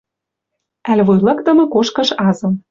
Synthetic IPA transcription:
ælʲβujlɑ̆kt̪ɤ̆mɤ̆koʃkɤ̆ʃɑzɤ̆m

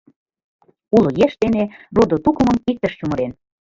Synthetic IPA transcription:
ulojeʃt̪enerod̪ot̪ukə̆mə̆mik̚t̪əʃt͡ɕumə̆ɾen

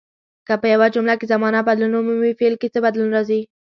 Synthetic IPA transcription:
kapəjawad͡ʒʊmlakezamɑnabad̪lunʊmumifelket͡səbad̪lunɾɑzi

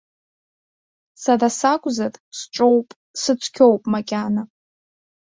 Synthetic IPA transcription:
sadasakʷʼzarʼsʈ͡ʂʼowpʼ | sɨt͡sʷʰkʲʰo̞wpʼmakʲʼana

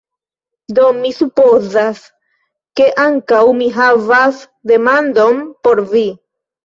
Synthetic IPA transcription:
d̪omisupozas | keʔaŋkawmiɦavas | d̪e̞mand̪ompoɾvi

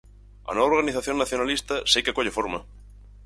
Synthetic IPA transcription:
a̰noβaoɾɣaniθaθjonːaθjonalist̪asekekoʎefoɾma

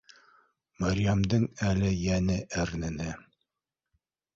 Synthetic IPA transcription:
maɾʲjamd̪ɤŋælɘjænɘʔæɾnɘ̆nɘ

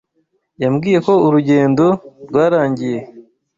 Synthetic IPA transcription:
jamɡiːje̞ko̞uɾuɟe̞ːndo̞ɾɡwaːɾaːɲɟije̞

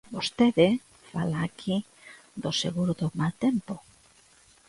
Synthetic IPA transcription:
bost̪eðe | falaːkʰi | ðosḛɣuɾoðomalt̪empo

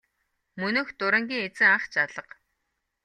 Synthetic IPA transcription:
mɵnɵ̆ːxt̪ʊɾə̆ŋɡʲiːŋet͡sɘ̆ŋaχt͡ɕaɮə̆q

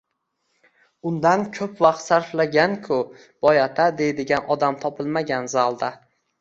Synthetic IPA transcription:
ʊnd̪ankʰɵpvaqt̪saɾflaɡʲankʰʊ | b̥ɒjat̪ʰad̪e̞jd̪ɪɡʲanʔɒd̪amt̪ʰɒpʰɪlˠmaɡʲanzalˠd̪a

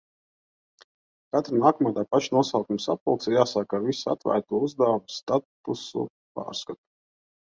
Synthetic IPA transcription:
kat̪ɾanaːkɔmaːd̪aːpat͡ʃnuɔsaːkumsa̰pulˠk̪sijaːsaːkavisa̰t̪væ̰ːɾt̪uɔuzd̪awmst̪at̪usṵ | pa̰ːɾskat̪u̥

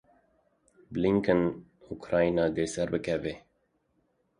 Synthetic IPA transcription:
bliŋkən | ukʰɾɑːinɑːd̪eːsɛɾbɨkʰɛveː

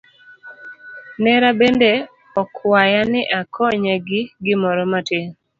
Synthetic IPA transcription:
nɛɾabende | ɔkwajanɪʔakʰɔɲeɡɪɡɪmɔɾɔmateŋ

